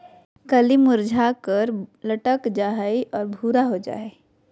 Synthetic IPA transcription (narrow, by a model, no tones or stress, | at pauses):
kəlimʊɾd͡ʒʱakəɾləʈəkd͡ʒaːɦeʔɔːɾbʱuːɾaɦod͡ʒa̰ːe